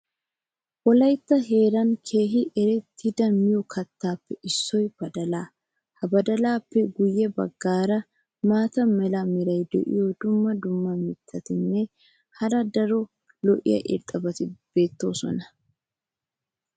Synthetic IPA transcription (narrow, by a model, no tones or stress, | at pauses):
wɔlɐjt̪ːɐɦe̞ːɾɐnkʰe̞ːɦɪʔɛɾɛt̪ʰːɪd̪ɐmɪjɔkʰɐt̪ːaːpːɛʔɪsːɔjb̥ɐd̪ɐlaː | hɐbɐd̪ɐlaːpːɛɡʊjːɛbɐ̰ɡːaːɾɐ | maːt̪ɐmɛlɐmɪɾɐjd̪ɛ̰ʔɪ̰jod̪ʊmːɐd̪ʊmːɐmɪt̪ʰːɐt̪ɪnːɛ | hɐɾɐd̪ɐɾɔ | lɔʔɪ̰jɐ̰ʔɪ̰ɾt̪ʼːɐbɐt̪ɪb̥e̞ːt̪ːo̞ːsɔ̰nɐ